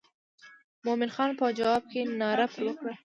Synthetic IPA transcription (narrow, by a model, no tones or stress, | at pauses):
momɪnxɑnpəd͡ʒawɑb̚kenɑɾapɾwəkɽa